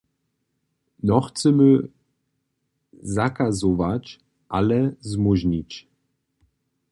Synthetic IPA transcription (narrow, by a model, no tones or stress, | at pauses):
nɔχt͡səmø | zakazovat͡ʃ | ʔalɛzmuʑnit͡ɕ